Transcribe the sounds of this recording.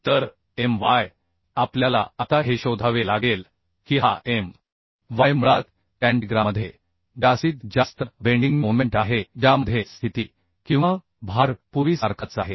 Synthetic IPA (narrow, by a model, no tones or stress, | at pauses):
t̪əɾ | emʋaj | apljala̰at̪aɦeɕod̪ʱaʋelaɡel | kiɦa̰ʔem | ʋajmuɭat̪ | ʈɛ̃ɳʈɡɾaməd̪ʱːje | ɖasiːt̪d͡ʑast̪əbeɳɖiŋɡmoʋmẽɳʈaɦed͡ʑaməd̪ʱjest̪ʰit̪iː | kĩw̃ʋa | bʱaɾpuʋisaɾkʰat͡saɦe